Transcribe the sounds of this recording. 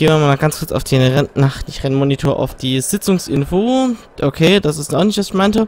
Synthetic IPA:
ɡ̥eːmamaːlmaɡ̥ant͡skʰʊɐt͡sa̰ʊfd̥inʁɛnnaχtɪçʁɛnmonitʰoːɐʔa̰ʊfd̥iːz̥ɪt͡sʊŋsʔɪ̰nfoː | ʔokʰeːd̥asɪstaʊxnɪçtv̥asɪçmaɪntə

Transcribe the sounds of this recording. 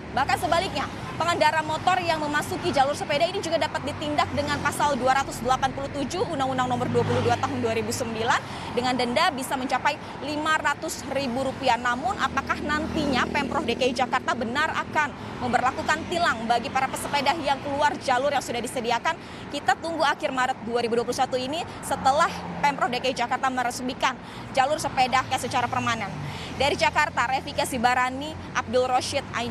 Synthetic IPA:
bahkansəbalɪk̚ɲa | pəŋandaɾamot̪ɔrjaŋməmasukid͡ʒalʊrsəpedahinid͡ʒuɡadapat̪̚dit̪indak̚dəŋanpasalduaɾat̪ʊsdəlapanpuluht̪ud͡ʒuunaŋundaŋnɔmərduapuluhduat̪aɦʊnduaɾibusəmbilan | dəŋandəndabisaməɲt͡ʃapaj | limaɾat̪ʊsribuɾupianamʊnʔapakahnant̪iɲapɛmpɾɔfdekaid͡ʒakart̪abənara̰kan | məmbərlakukant̪ilaŋbaɡipaɾapəsəpedahjaŋkəluard͡ʒalʊrjaŋsudahdisədiakan | kit̪at̪uŋɡuakɪrmaɾət̪̚duaɾibuduapu̥sat̪uini | sət̪əlahpɛmpɾɔfdekaid͡ʒakart̪aməɾəsmikan | d͡ʒalʊrsəpedahjasət͡ʃaɾapərmanɛn | daɾid͡ʒakart̪aɾefikasibaɾani | ʔa̰p̚dɪlroʃɛt̪̚a̰

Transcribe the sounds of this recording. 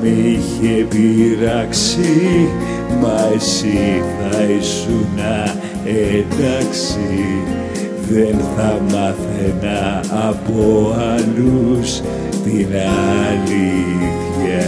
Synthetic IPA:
miçepiɾɐksi | mɐsiθɐisunɐ | end̪ɐksi | ðe̞nθɐmɐθenɐːpo̞ɐlus | t̪inɐliθçɐ

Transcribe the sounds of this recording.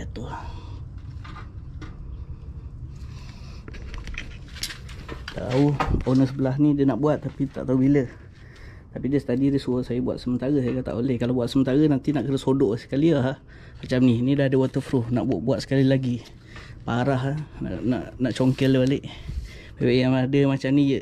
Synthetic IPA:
t̪u | t̪a̰ʔt̪auonəsəbəlaɦnidiənaʔbuat̪ːapit̪a̰ʔt̪aubilə | t̪apidiəsə̥t̪adidəsuəsajəbua̰t̪səmənt̪aɾəsajəkat̪a̰ʔolɛhkalabuat̪səmənt̪aɾənant̪inaʔkədəsodoʔsə̥kaliaɦah | mat͡ʃamninidahadəwat̪əfɾuna̰ʔʔbuat̪̚sə̥kalilaɡi | paɾaɦana̰na̰ʔnaʔt͡ʃoŋkələaleʔ | bewaʔjaŋadəmat͡ʃamnijə

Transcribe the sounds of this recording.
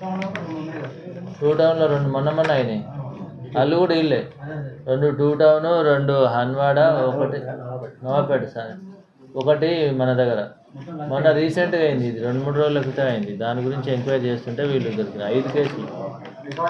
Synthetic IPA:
ʈuːʈɐwunloːɾeɳɖumɔnːɐmɐnːajne | ɐlːukuːɽɐiɭːeːɾe̞ɳɖuʈuːʈɐwunuɾe̞ɳɖuɦɐnʋaːɽɐɔkɐʈinoːpeɖusɐɾ | ɔkɐʈimɐnɐd̪ɐɡːɐɾɐ | mɔnːɐɾiːse̞ɳʈɡɐjind̪iːd̪iɾe̞ɳɖumuːɽuɾoːd͡ʒulɐkit̪ɐɐjind̪id̪aːniɡuɾiɲt͡ʃieŋkʋaːjɾt͡ʃe̞ːst̪uɳʈe̞ːʋiːɭːuɡ̪ɐɾikinɐɐjd̪ukeːsil

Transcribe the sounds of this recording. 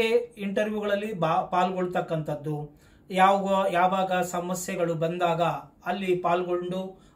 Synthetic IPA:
eiɳʈɐɾʋjuɡɐɭɐlːibpaːlɡoɭut̪ɐkːɐnt̪ɐd̪ːu | jaːʋɐɡujaːʋaːɡɐsɐmɐsjɛɡɐɭubɐnd̪aːɡɐɐlːipaːlɡo̞ɳɖu

